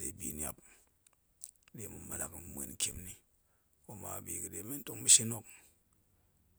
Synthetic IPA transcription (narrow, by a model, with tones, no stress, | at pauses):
de˨bḭ˨nja̰˨p̚ | de˨mu˨ma˨na̰˨km˨mʷḛ˨n˦kʲḛ˨mni˦ | ko˦ma̰˨bi˨kɨ˨de˨me˦n̩˦to˦ŋmi˦ʃi˦no˦k̚